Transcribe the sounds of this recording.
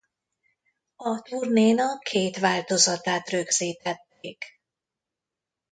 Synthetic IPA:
ɒt̪urneːnɒkʰeːt̪ʋaːlt̪o̞zɒt̪aːt̪rø̞ɡz̥iːt̪ɛt̪ːeːk

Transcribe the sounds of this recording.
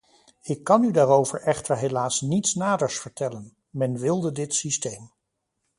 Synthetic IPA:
ɪkːɑnydaːɾowvəɹʔɛχtəɹɦelaːsnitsnaːdəɹsfəɹtɛlən | mɛnʋɪlˠdədɪtsistejm

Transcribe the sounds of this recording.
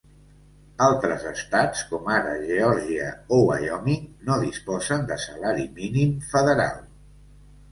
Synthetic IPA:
alˠt̪ɾəzəst̪at͡skɔmaɾə̰ʒeɔɾʒiəowəjɔminoðispɔzənd̪əsəlaɾiminimfəðəɾa̰lˠ

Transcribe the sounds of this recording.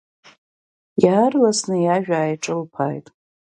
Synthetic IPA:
jaːrlasnɨjaʒᶣaːjʈ͡ʂʼɨlpʰa̰ːjtʼ

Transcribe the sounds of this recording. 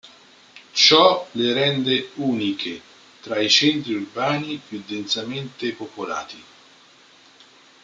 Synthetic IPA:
t͡ʃɔleɾɛnd̪euːnikʰe | t̪ɾait͡ʃɛnt̪ɾiurbaːnipjud̪ːɛnt̪sament̪epopola̰ːt̪i

